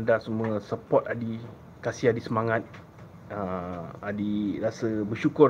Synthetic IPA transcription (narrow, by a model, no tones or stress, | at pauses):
ndasəmũəsəpɔtadi | kasiadisəmaŋãt̪̚ | əadirasəbəʃukʊ